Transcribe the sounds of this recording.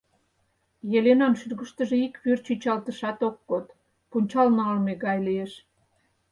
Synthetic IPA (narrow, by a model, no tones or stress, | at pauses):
jelenɑnʃyrɣəʃt̪əʒeikβyrt͡ɕyt͡ɕɑlt̪əʃɑt̪ok̚ːot̪ | punʲt͡ɕɑlnɑɑlmeɣɑjlieʃ